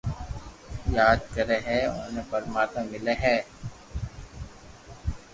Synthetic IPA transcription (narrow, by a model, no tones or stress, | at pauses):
jaːd̪kəɾeɦɛʊ̰neːpəɾmaːɾt̪mə̃mɪleɦɛː